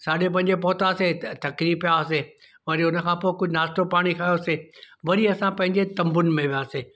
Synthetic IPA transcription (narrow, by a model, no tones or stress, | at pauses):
saːɗep̬ɐ̃ɦɪ̃ɲd͡ʑepɔːt̪aset̪ɐkɾiːpijas̬eː | ʋɐɾiʊnə̆kʰãpoːɪkʊd͡ʑʱɪnaːst̪opaːɽ̃ikʰaːjoɐseː | ʋɐɾiɐsãpɐ̃ɦɪ̃ɲd͡ʑet̪ɐ̃mbʊnɪ̆mẽʋijaːseː